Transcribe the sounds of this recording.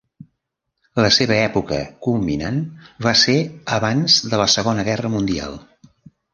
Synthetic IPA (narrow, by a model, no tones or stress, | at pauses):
ləseβəɛpukə̰kumḭnanβaseəβanzðələsəɣonəɣɛrəmund̪ia̰lˠ